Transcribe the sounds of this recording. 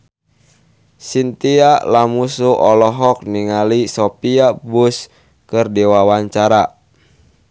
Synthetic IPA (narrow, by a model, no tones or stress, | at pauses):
sint̪ialamusuʔɔlɔɦɔk̚niŋalisɔpiabus | kərdɛwawaɲt͡ʃaɾa